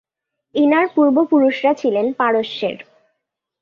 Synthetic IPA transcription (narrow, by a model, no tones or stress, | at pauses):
inaɾpuɾbopuɾuʃɾat͡ɕʰilenpaɾoʃːḛɾ